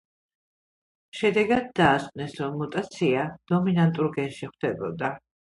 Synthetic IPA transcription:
ʃɛd̪ɛɡad̪̚ːaːsqʼnɛsɾɔmːut̪ʼat̪sʰiad̪̥ɔminant̪ʼuɾɡɛnʃiχwd̪ɛbɔd̪a

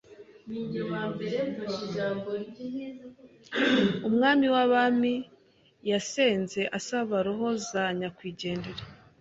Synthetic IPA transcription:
miɲimaːmbeɾuiʒaːmboiz | umŋaːmiwaβami | jaseːnze̞ʔasaβaɾoɦo̞zaɲakwiːɟe̞ːndeɾa

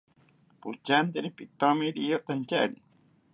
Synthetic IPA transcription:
put͡ʃant̪eɾipit̪omiɾijot̪ant͡ʃaɾi

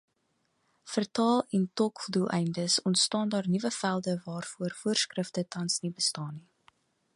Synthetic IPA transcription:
fərtɑːlˠɛntɔkdulˠʔɛjndəsɔntstɑːndɑːrnivəfælˠdəvɑːrfuərfuərskrəftətɐnsnibəstɑːni

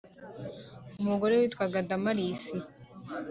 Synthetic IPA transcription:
umuɡoɾewit̪waɡadamaɾiːsi

